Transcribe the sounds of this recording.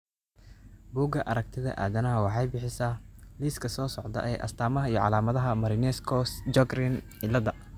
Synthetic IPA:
buːɡɐʔɐɾɐk̚t̪ʰɪðɐ̰ʔa̰ːðɐnɐɦɐwɑħɑjbɪħɪsɐliskʰɐsɔːsɔʕd̪ɐ̰ʔɛjʔɐ̰st̪ʰaːmɐɦɐijɔʕɑ̰laːmɐðɐɦɐmɐɾɪnɛskʰɔsd͡ʒɔɡrɪn | ɪlɐðɐ

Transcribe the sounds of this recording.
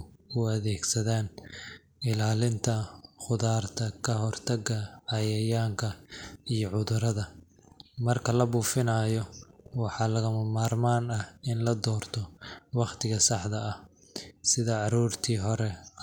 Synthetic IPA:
ʊɐðɛːɡsɐðaːn | ɪlaːlɪnt̪ʰɐχʊðaːrt̪ʰɐkʰɐɦɔrt̪ʰɐɡɐʕɑjɐjaːŋkʰɐijɔʕʊðʊɾɐðɐ | mɐrkʰɐlɐbuːfɪnaːjɔwɑħɑːlɐɣɐmɐmaːrmaːnɐɪnlɐd̪ɔːrt̪ʰɔwɑqt̪ʰɪɣɐsɑħd̪ɐɐh | sɪðɐɑɾuːrt̪ʰiːɦɔɾɛ

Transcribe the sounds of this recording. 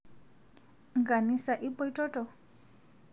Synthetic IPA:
ɡanisaʔipɔjʈɔʈɔ

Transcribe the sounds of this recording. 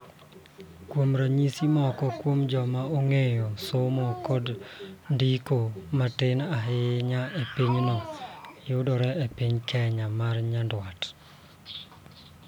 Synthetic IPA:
kwomɾaɲisimɔkɔkwomd͡ʒɔmaoŋejosɔmɔkɔdndikomatɪnaɦɪɲaepiɲnɔjʊdɔɾɛepiɲkɛɲamarɲandwat

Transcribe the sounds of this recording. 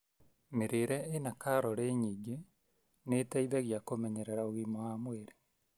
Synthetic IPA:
meɾeɾɛenakaɾɔɾeɲiːɡe | netaiðɛɣjakomɛɲɛɾɛɾaoɣimoamweɾe̥

